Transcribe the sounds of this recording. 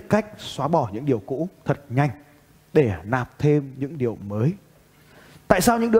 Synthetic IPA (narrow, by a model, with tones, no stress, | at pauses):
ka˦˥jk̟̚swaː˨˦ɓɔ˧˩ɲɨ̰˧˥ŋɗi˨˩əwkṵ˧˥t̪ʰə˨˩t̚ɲa˨˩jŋ̟ | ɗe˧˩naː˨˩p̚t̪ʰe˧mɲɨ̰˧˥ŋɗi˨˩əwməː˨˦j | t̪a̰ː˧˨jsaː˧wɲɨ̰˧˥ŋɗɨ˧